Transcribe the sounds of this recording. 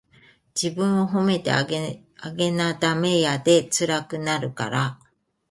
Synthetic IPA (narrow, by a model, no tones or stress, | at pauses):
d͡ʑibɯ̟̃ɰ̃o̞ɦome̞t̪e̞̰ | aɡe̞nat̪ame̞jad̪e̞t͡sɨɾakɯ̟naɾɯ̟ka̰ɾa